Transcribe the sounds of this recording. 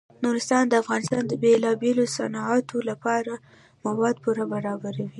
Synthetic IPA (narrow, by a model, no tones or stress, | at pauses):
nuɾɪst̪ɑnd̪əafɣɑnɪst̪ɑnd̪əbelɑbelosanɑʕat̪ʰolapɑɾa | mawɑd̪̚puɾabaɾɑbaɾawi